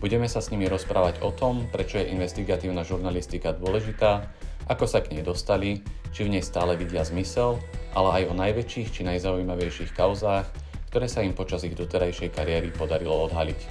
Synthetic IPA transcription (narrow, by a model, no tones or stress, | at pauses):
buɟɛmɛsasɲimiɾɔspɾaːʋaɟɔt̪ɔmpɾɛt͡ʃɔjɛʔinʋɛst̪iɡat̪iːʊnaʒuɾnalist̪ikad̪ʊɔlɛʒit̪aː | ʔakɔsakɲɛjd̪ɔst̪alit͡ʃivɲɛjst̪aːlɛʋiɟɪazmisɛlʔa̰lɛajɔnajʋɛt͡ʃiːxt͡ʃinajzaujmaʋɛjʃiːxkaʊzaːx | kt̪ɔɾɛːsaimpɔt͡ʃaziɣd̪ɔt̪ɛɾajʃɛjkaɾɪɛɾipɔd̪aɾilɔɔd̪ɦalic